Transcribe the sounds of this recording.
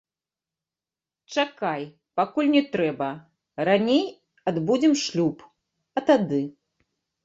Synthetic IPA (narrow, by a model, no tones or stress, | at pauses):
t͡ʂakaj | pakulʲnʲɛt̪ɾɛbɐ | ɾanʲej | ad̪bud͡zʲɛmʂlʲup | ɐt̪ad̪ɨ